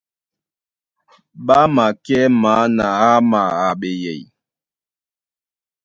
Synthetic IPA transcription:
ɓa˦ma˨kɛ˦ma˨˦na˨a˦ma˨a˨ɓe˨jɛ̰˨j

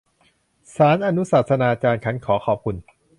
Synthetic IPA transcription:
saː˩˦nʔa˧nu˦˥sa˨˩t̪̚sa˧naː˧kaː˧nkʰa˦˥nkʰɔː˩˦kʰɔː˨˩p̚kʰu˧n

